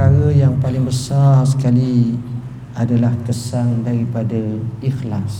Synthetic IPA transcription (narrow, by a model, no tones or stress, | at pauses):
aɾəjaŋpalɪŋbəsars̬ə̥kali | adalaht̪əsaŋdaɾipadaixlas